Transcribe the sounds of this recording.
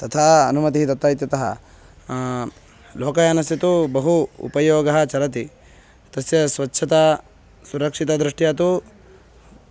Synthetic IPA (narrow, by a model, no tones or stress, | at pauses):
t̪ɐt̪ʰaːɐ̰numɐt̪iɦit̪ɐt̪ʋaːjit̪jɐt̪ɐɦɐ̰ | loːkɐjaːnɐsɐt̪ubɐɦuṵpɐjoːɡɐɦɐ̆t͡ʃɐɾɐt̪i | t̪ɐsjɐsʋɐtːʃʰɐt̪ɐ | suɾɐkʂit̪ɐd̪ɾiʂʈijaːt̪u